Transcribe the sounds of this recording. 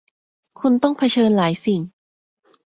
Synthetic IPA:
kʰu˧nt̪ɔ˥˩ŋpʰa˧t͡ɕʰɤː˧nlaː˩˦jsi˨˩ŋ

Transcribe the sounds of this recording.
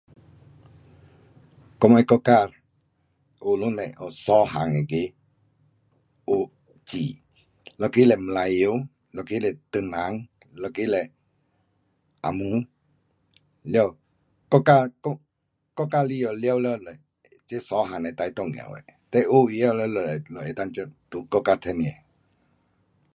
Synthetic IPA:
kɔ˧ma˧˦kɔ˧ka˧˨ɾ | o˧˨lu˦nɛ̰˨ʔɔ̰˨sɔ˨˦ɦa˨ŋɛ˨ke˧˦ | o˧˨ | t͡ɕi˨ | lɔ˧˨ke˦lɛ˨m˨la˧˨jo˧˦ | lɔ˨˧˨ke˦lɛ˨t̪ə˧˨na˨˦ŋ | lɔ˧˨ke˦lɛ˨ | ʔa̰˨mũ˧˦ | lja˧w | kɔ˦˨ka˦˧kɔ˦ | kɔ˦˨ka˧li˦ɔ˨lja˧˨wlɔ˧˦˨lɛ˨ | t͡ɕe˦sɔ˨˦ɦa˨ŋnɛ˨t̪a˧jt̪ɔ˦˧˨ŋ˨ɛ̰˨wɛ̰˨t̪ɛ˦˧ʔu˦i˧a˧˨˧lɛ˧lɔ˨lɔ˨ɛ˨t̪a˧ŋt͡ɕə˧t̪u˧kɔ˦˨ka˧˨t̪ʰɛ˧n˧˨ɛ˨

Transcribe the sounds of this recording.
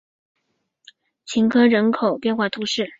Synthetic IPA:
t͡ɕʰi˧˥nkʰɤ˥ɻə˧˥nkʰo˨˩ʊpjɛ˥˧nxwa˥˩t̪ʰu˧˥ʂɻ̩˥˩

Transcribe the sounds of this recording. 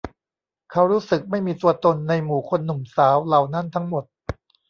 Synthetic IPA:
kʰa˦˥wɾuː˦˥sɯ˨˩k̚ma˥˩jmiː˧t̪u˧ɐt̪o˧nːa˧jmuː˨˩kʰo˧nːu˨˩msaː˩˦wla˨˩wna˥˩nt̪ʰa˦˥ŋmo˨˩t̪̚

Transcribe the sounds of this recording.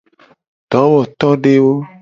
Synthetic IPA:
ɖ̥ɔ˨˦wɔ˨t̪ɔ˦ɖe˦wo˦

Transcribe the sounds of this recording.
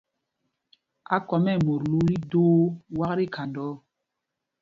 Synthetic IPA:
a̰˦kɔ˨mɛ˦˨mo˨ɾlu˦ɾi˦doː˦wa˦kɾi˦kʰa˨ndɔ˦

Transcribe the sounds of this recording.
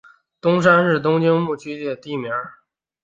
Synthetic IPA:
t̪ʊ˥ŋʂ̬a˥nɻɻ̩˥˩t̪̬ʊ˥ŋt͡ɕi˥ŋmu˥˩t͡ɕʰy˥t͡ɕjɛ˥˩t̪i˥˩mjɑ˧˥

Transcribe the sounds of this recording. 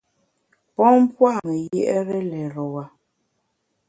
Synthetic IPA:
pɔ˦m̩˦pwa˦˨mɛ˨jɛ˦ʔɛ˦ɾɛ˦lɛ˨ɾɔ˨wa˨

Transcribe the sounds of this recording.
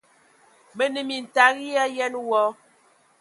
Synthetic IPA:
mə˨nə˨mi˨n˨ta˨ɣi˦ja˦jɛ˦nwɔ˦

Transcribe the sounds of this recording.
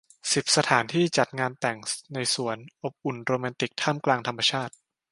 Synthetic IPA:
si˨˩p̚sa˧t̪ʰaː˩˦nt̪ʰiː˥˩t͡ɕa˨˩t̪̚ŋaː˧nt̪ɛ˨˩ŋna˧jsu˨˩˦ənʔo˨˩p̚ʔu˨˩nɾoː˧maː˧nt̪i˨˩k̚t̪ʰaː˥˩mklaː˧ŋt̪ʰa˧mːa˧t͡ɕʰaː˥˩t̪̚

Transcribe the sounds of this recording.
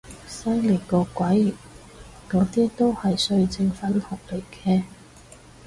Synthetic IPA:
sɐ˥jli˨˩kɔː˧kʷɐ˨˥j̚ | kɔː˨˥t̪iː˥t̪o˥whɐ˨jsɵ˧ɥt͡sɪ˧ŋfɐ˨˥nhʊ˨k̚le˨˩kɛː˧

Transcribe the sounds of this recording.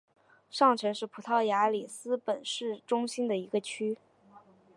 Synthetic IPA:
ʂɑ˥˩ŋʈ͡ʂʰɤ˧˥ʂɻ̩˥˩pʰu˨˩t̪ʰɑ˥˩ʊja˧˥li˨˩sɹ̩˥pə˨˩nʂɻ̩˥˩ʈ͡ʂʊ˥ŋɕi˥nd̪ə˨i˧˥ɡə˧t͡ɕʰy˥

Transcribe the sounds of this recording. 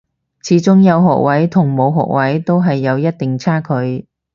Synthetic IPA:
t͡sʰiː˨˥t͡sʊ˥ŋjɐ˨˧wɦɔ̰ː˨k̚wɐ˨˥jt̪ʰʊ˨˩ŋmo˨˧wɦɔ̰ː˨k̚wɐ˨˥jt̪o˥wɦɐ˨jːɐ˨˧wjɐ˥t̚t̪ɪ˨ŋt͡sʰaː˥kʰɵ˨˧ɥ

